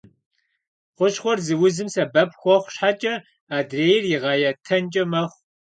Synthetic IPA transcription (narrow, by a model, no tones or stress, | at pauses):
qʷʊɕχʷɔrzɨwʊzɨmsɐbɐp̚ʰxʷɔχʷɕħat͡ʃʼɐ | aːdreːjɪrjɪʁɑːjatʰɐnt͡ʃʼɐmɐχʷ